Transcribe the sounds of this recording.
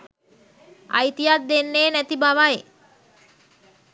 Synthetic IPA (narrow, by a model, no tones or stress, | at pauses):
a̰jt̪ijat̪̚d̪enːeːnæt̪ibaʋaj